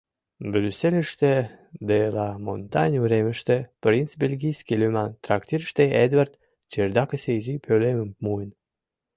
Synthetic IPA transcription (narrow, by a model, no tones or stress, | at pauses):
bɾʲyselʲəʃt̪ed̪elɑmont̪ɑnʲuɾemə̆ʃt̪ĕpɾʲinst͡sbʲelʲɡʲijskʲilʲymɑnt̪ɾɑkt̪ʲiɾʃt̪eed̪vart̪ | t͡ɕerd̪ɑkə̆sejzipʲøleməmmuən